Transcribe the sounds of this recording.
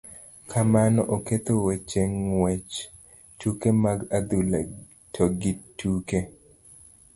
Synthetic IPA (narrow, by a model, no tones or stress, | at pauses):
kʰamanɔʔoket̪owet͡ʃeŋwɛt͡ʃ | tukemaɡad̪ula̰ | tʰoɡitːuke